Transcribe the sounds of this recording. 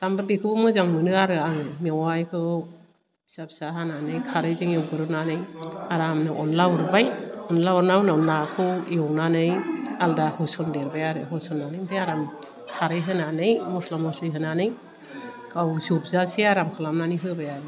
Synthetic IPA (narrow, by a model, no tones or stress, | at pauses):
tambɯɾbikʰɯbɯmɯzaŋmɯnɯaɾɯaɯmiwajkʰɯw | isap̚saɦananɯjkʰaɾɯjziŋewɡɯɾɯnanɯjaɾamnɯʔɔnlauɾbajɔnlauɾnawnawnakʰɯweɔwnanɯjaldahɯsɔndeɾbajaɾɯɦɯsɔnːanɯjmtʰɯjaɾam | kʰaɾɯjɦɯnanɯjmɔslɔmɔslɯjɦɯnanɯj | kawsup̚zasiaɾamkʰalamnaniɦɯjbajaɾɯ